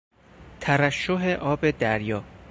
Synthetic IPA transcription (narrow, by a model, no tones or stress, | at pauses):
t̪ʰævæʃːoɦe̞ʔɒːbe̞d̪æɾjɒː